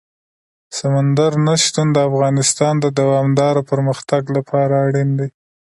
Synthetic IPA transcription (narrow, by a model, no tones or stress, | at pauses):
samand̪aɾnaʃt̪und̪əafɣɑnɪst̪ɑnd̪əd̪awɑmd̪ɑɾopəɾməxt̪aɡlapʰɑɾaːɽind̪e